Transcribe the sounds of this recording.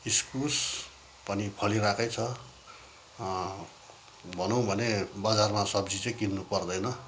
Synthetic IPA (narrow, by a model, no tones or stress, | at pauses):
iskus | pʌnipʰʌliɾakʌjt͡sʰʌ | bʱʌnõw̃bʱʌnebad͡zarmasʌbd͡zit͡sʌjkinːupʌrd̪ʌjnʌ